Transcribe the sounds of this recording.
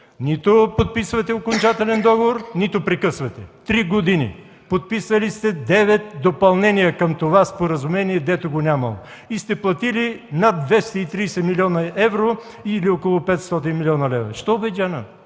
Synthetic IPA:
nit̪opot̪̚pisvɐt̪ɛokont͡ʃat̪ɛlɛnd̪ɔɡovoɾnit̪opɾɛkɤsvɐt̪ɛt̪ɾiɡod̪inḭ | pot̪̚pisɐlist̪ɛd̪ɛvɛt̪̚d̪opɐlˠnɛnijəkɐmt̪ovaspoɾɐzʊmɛniɛd̪ɛt̪oɡonʲamɐ̰lˠo̰ | ist̪ɛplˠɐt̪ilinad̪̚d̪vɛst̪ɐit̪ɾijsɛmilʲiɔnɐɛvɾo | iliokolˠopɛt̪st̪ɔt̪inmilʲɔnɐlɛvɾɐ̰ʃt̪ɔobɛd̪ʲanə

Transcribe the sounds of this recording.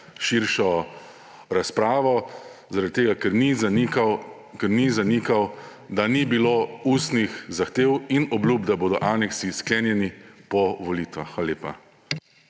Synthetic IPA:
ʃiɾʃɔ | ɾaspɾaːʋɔ | zaɾad̪̚t̪eːɡakɛɾnikaw | kɛɾnizanikaw | d̪anibiloːuːst̪nixzaxt̪eːwinɔblʲuːb̚d̪aboːd̪ɔʔaːnɛksisklɛːnjɛnipɔʋɔliːt̪ʋaxʋaːlaleːpa̰

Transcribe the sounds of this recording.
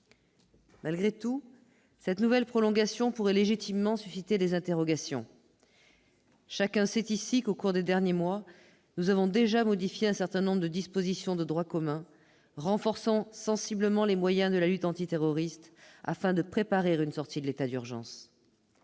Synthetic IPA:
malɡʁet̪u | sɛt̪nuvɛlpχɔlɔ̃ɡasjɔ̃puʁɛleʒit̪imːɑ̃sysit̪ed̪ezɛ̃t̪eʁɔɡasjɔ̰̃ | ʃakɛ̃sɛt̪isikokuʁd̪ed̪ɛʁnjemwa | nuzavɔ̃d̪eʒamɔd̪ifjeɛ̃sɛʁt̪ɛ̃nɔ̃bʁəd̪əd̪ispozisjɔ̃d̪əd̪ʁwakɔmɛ̃ | ʁɑ̃fɔʁsɑ̃sɑ̃sibləmɑ̃lemwajɛ̃d̪əlalyt̪ɑ̃t̪it̪eʁɔʁist̪a̰fɛ̃d̪əpχepaʁiʁynsɔʁt̪id̪əlet̪ad̪yʁʒɑ̰̃s

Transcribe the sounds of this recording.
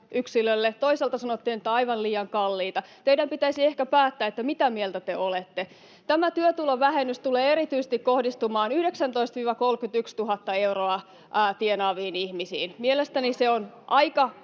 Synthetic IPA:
ʔyksilølːet̪oiselt̪ɑsɑnot̪ːiːnet̪ːæɑiʋɑnliːɑŋkɑlːiːt̪ɑt̪eijdɾæmpit̪æisiehkæpæːt̪ːæːet̪ːæmit̪æmielt̪æt̪eolet̪ːe | t̪æmæt̪yøt̪uloʋæhenːyst̪uleːeɾit̪yise̥st̪ikkohdist̪umɑːnyhɾeksænt̪oist̪ʋiːʋɑkolkyt̪ykst̪uɦɑt̪ːɑeuroɑː | t̪ienɑːʋiːnihmisḭːnmielest̪æniseonʔɑikɑ

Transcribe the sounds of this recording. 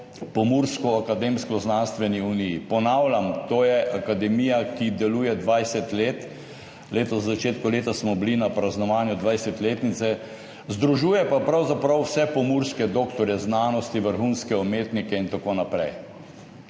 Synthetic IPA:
pɔmuɾskɔakad̪eːmskɔznanst̪ʋɛniunijipɔnaːwlʲamt̪oːjɛʔakad̪ɛmijakid̪ɛluːjɛd̪ʋajsɛt̪leːt̪ | leːt̪ɔzːat͡ʃeːt̪kɔleːt̪asmɔblinapɾaznɔʋaːnjud̪ʋajsɛt̪leːt̪nit̪sɛ | zd̪ɾuʒuːjɛpapɾawzapɾawsɛpɔmuɾskɛd̪oːkt̪ɔɾjɛznaːnɔst̪iʋəɾxunskɛɔmeːt̪nikɛint̪akoːnapɾɛj

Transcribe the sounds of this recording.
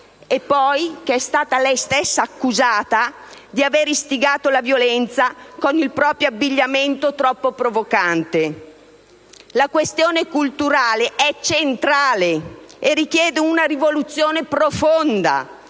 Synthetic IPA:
epːɔjkeɛst̪aːt̪alɛjst̪esːaːkːuzaːt̪a | d̪iaveːɾist̪iɡaːt̪olavjolɛnt̪sakonilpɾɔːpɾjoabːiʎːament̪ot̪ɾɔpːopɾovokant̪e | lakwest̪joːnekult̪uɾaːleʔɛt͡ʃent̪ɾaːleerːik̟jɛːd̪eunaɾivolut̪sːjoːnepɾofond̪a̰

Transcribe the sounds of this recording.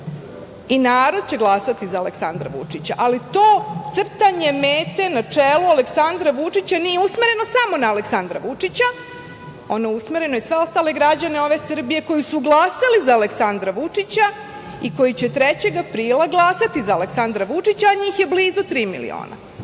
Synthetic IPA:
inaːɾo̞d̪̚t͡ɕe̞ɡlˠasat̪izaːleksand̪ɾa̰ʋṵt͡ʂit͡ɕaʔalit̪oːt̪sr̩t̪aɲe̞meːt̪e̞nat͡ʂelualeksand̪ɾaʋut͡ʂit͡ɕaniːjeusme̞ɾe̞no̞samo̞naːleksand̪ɾa̰ʋut͡ʂit͡ɕa | o̞nojusmeɾe̞nojesʋe̞o̞st̪aːle̞ɡɾad͡ʑaneo̞ʋe̞sr̩bije̞ko̞jisuɡlˠaːsalizaːleksand̪ɾaʋut͡ʂit͡ɕa | iko̞jit͡ɕet̪ɾet͡ɕe̞ɡapɾiːlaɡlˠasat̪izaːleksand̪ɾaʋut͡ʂit͡ɕaːɲiːxje̞bliːzot̪ɾiːmḭlḭo̰ːna̰

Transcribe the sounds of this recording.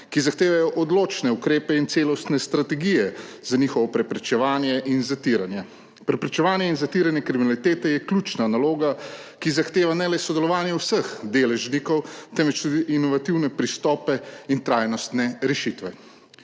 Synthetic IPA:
kizaxt̪eːʋajɔʔɔd̪loːt͡ʃnɛukɾeːpɛint̪seːlɔst̪nɛst̪ɾat̪ɛɡijɛzanixɔʋɔpɾɛpɾɛt͡ʃɛʋaːnjɛʔinzat̪iɾanjɛ | pɾɛpɾɛt͡ʃɛʋaːnjɛinzat̪iɾanjɛkɾiminalit̪eːt̪ɛjɛklʲuːt͡ʃnanaloːɡakizaxt̪eːʋanɛlɛsɔd̪ɛlɔʋaːnjɛwsəxd̪eːlɛʒnikɔwt̪ɛnʋɛt͡ʃt̪ud̪iʔinɔʋat̪iwnɛpɾist̪ɔːpɛint̪ɾaːjnɔst̪nɛɾɛʃit̪ʋɛ

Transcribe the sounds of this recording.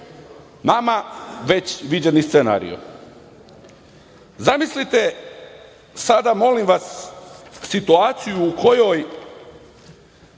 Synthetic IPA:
namaʋe̞t͡ɕʋid͡ʑenist̪sena̰ːɾḭjo̰ | zamislit̪e | sad̪amo̞limʋas | sit̪uaːt̪sijuːko̞jo̞j

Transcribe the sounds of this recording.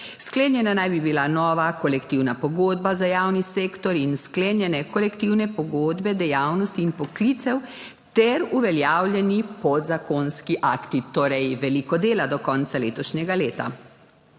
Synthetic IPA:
skleːnjɛnanajbibilanɔːʋakɔlɛkt̪iwnapɔɡoːd̪bazajaːwniseːkt̪ɔɾinskleːnjɛnɛkɔlɛkt̪iwnɛpɔɡoːd̪bɛd̪ɛjaːwnɔst̪iːnpɔklit̪sɛw | t̪ɛɾuʋɛljaːwlʲjɛnipɔd̪zakonskiʔakt̪it̪oːɾɛjʋɛlikɔd̪eːlad̪ɔkɔnt̪saleːt̪ɔʃɲɛɡaleːt̪a̰

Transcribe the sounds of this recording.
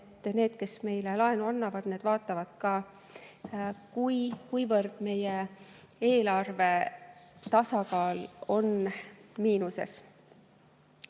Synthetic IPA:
et̪ːˑne̞ːd̪̥̚ke̞sme̞jlelɑenuɑnːɑvɑd̪̥ne̞ːd̪̥vɑːt̪ːˑɑvɑd̪̥kɑː | kujkujvɤrd̪̥me̞je | e̞ːlɑrve̞ | t̪ɑsɑkɑːlo̞nmiːnuse̞̰s

